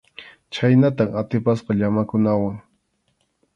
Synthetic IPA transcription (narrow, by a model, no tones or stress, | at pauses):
t͡ʃajnat̪amat̪ɪpasqɑʎamakʊnawaŋ